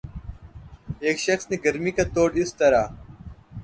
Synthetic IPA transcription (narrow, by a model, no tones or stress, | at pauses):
eːkʃəxsneɡəɾmiːkaːt̪oːɖɪst̪əɾaː